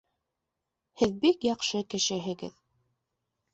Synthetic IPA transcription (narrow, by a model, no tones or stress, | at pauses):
hɘðbikjɑqʃɤkɘ̆ʃɘ̆ɦɘ̆ɡɘ̰ð